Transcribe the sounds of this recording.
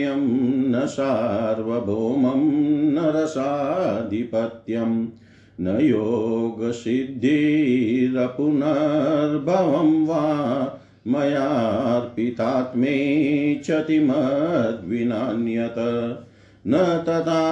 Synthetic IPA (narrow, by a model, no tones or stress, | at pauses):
jɐmnɐsaːɾʋɐbʱoːmɐmnɐɾɐsaːd̪ʱipɐt̪jɐm | nɐjoːɡɐsid̪ʱːi | ɾɐpunɐɾbʱɐʋɐmʋaː | mɐjaːɾpit̪aːt̪meːt͡ʃʰɐt̪imɐd̪ʱʋinaːnjɐt̪ɐ | nɐt̪ɐt̪aː